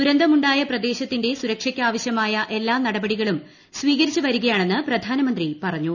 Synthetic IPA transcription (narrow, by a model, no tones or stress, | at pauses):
t̪uɾɐnd̪ʱɐmuɳɖaːjɐprɐd̪e̞ːɕɐt̪ːinde̞suɾɐkʂɐkʲːaːʋɐɕjɐmaːjɐʔe̞lːaːnɐɽɐbɐɽiɣɐɭum | sʋiːɣɐɾit͡ɕːɨʋɐɾuɣɐjaːɳe̞nːɨprɐd̪ʱaːnɐmɐnd̪ripɐrɐɲːu